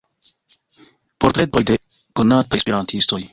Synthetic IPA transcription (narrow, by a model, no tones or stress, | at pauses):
poɾt̪ɾet̪̚ojd̪e | kunat̪aekspeɾant̪ʰist̪oj